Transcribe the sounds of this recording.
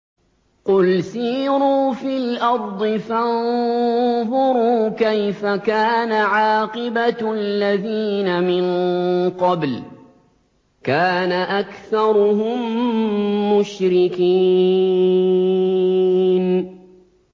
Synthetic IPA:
qʊlsiːɾuːfilʔɑɾˤd̪ˤɨfann | ðʊɾuːkajfakaːnaʕaːqɪbaalːaðiːnamɪnqɑbl | kaːnaʔakθɑɾˤʊɦʊmː | ʊʃɾɪkiː | n

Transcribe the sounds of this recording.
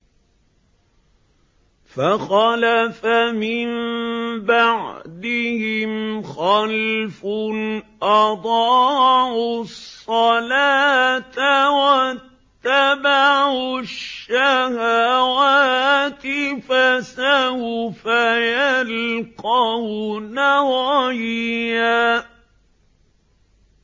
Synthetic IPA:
faxɑlafamɪmbaʕd̪ɪhɪmxalf | ʔɑd̪ˤɑːʕʊsˤːɑlaːt̪awatt̪ːabaʕʕʕʊʃːahaːwaːt̪ɪfasawfajalqɑwnawaːjɪja

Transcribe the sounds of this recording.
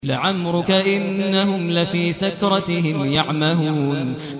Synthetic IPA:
lɪʕamɾʊkaʔɪnːaɦʊmlɪfiːsakɾˤɑt̪ɪhɪmjaʕmahuːn

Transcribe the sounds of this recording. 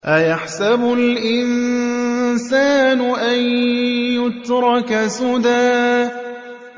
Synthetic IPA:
ʔajaħsabʊlʔɪn | saːnʊʔanjʊt̪ɾˤɑkasʊd̪aː

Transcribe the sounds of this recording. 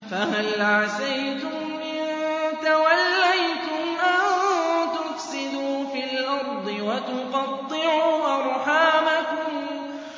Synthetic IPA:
fahalʕasajt̪ʊmːɪnt̪awalːajt̪ʊmʔant̪ʊfsɪd̪uːfilʔɑɾˤd̪ˤɨwat̪ʊqɑt̪ˤːɨʕuːwaɾˤħaːbakʊm

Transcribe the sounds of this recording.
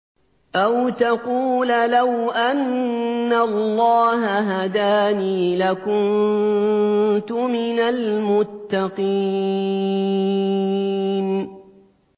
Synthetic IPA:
ʔawt̪aquːllawʔanː | alːɑːɦaɦad̪aːniːlakʊn | t̪ʊmɪnalmʊt̪ːɑqiː | n

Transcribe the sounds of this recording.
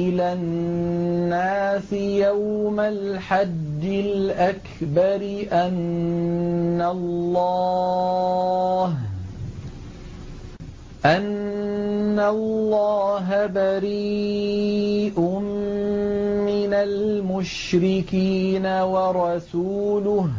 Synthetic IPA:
ɪla | aːsɪjawmalħad̪ːɪlʔak | bɑɾɪʔan | alːɑ | h | ʔanː | alːɑːɦabaɾiː | ʔʊm | ɪnalmʊʃ | ɾɪkiːnawɑɾˤɑsuːlʊh

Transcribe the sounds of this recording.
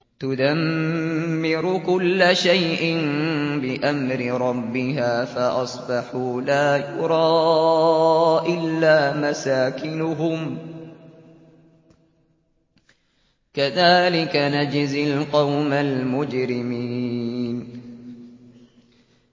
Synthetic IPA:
t̪ʊd̪amː | ɪɾʊkʊlːaʃajʔɪnbɪʔamɾɪɾˤɑbːɪɦaːfaʔɑsˤbɑħuːlaːjʊɾˤɑː | ʔɪlːaːmasaːkɪnʊɦʊm | kaðaːlɪkanad͡ʒzɪlqɑwmalmʊd͡ʒɾɪmiːn

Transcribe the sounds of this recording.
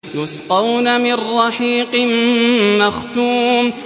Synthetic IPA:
jʊsqɑwnamɪrːɑħiːqɨmːaxt̪uːm

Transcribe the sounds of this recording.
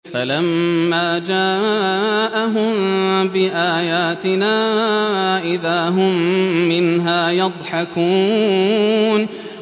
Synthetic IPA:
falamːaːd͡ʒaː | ʔaɦʊmbɪʔaːjaːt̪ɪnaː | ʔɪðaːɦʊmːɪnɦaːjɑd̪ˤħɑkuː | n

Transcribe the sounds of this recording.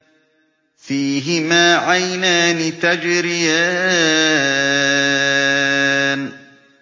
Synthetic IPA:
fiːɦɪmaːʕajnaːnɪt̪ad͡ʒɾɪjaː | n

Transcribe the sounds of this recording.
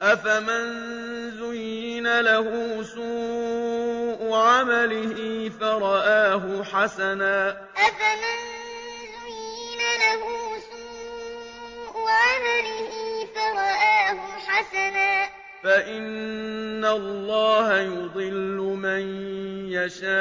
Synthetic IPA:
ʔafaman | zʊjːɪnalaɦʊːsuː | ʔʊʕamalɪhɪfaɾˤɑʔaːɦʊħasanaː | ʔafaman | zʊjːɪnalaɦʊːsuː | ʔʊʕamalɪhɪfaɾˤɑʔaːhʊħasanaː | faʔɪnː | alˤːɑːhajʊd̪ˤɨlːʊmanjaʃaː

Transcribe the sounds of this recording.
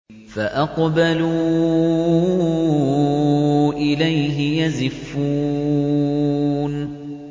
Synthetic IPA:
faʔɑqbalu | ʔɪlajɦɪjazɪfːuː | n

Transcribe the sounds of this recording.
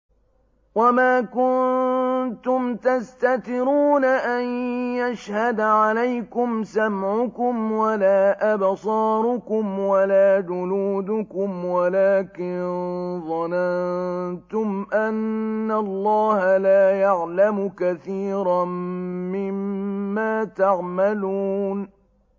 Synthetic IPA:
wamaːkʊn | t̪ʊmt̪ast̪at̪ɪɾuːnaʔanjaʃhad̪ʕalajkʊmsamʕʊkʊmwalaːʔabsˤɑːɾˤʊkʊmwalaːd͡ʒʊnuːd̪ʊkʊmwalaːkɪnðˤɑnant̪ʊmʔanːalˤːɑːhalaːjaʕlamʊkaθiːɾamɪmːaːt̪aʕmaluːn

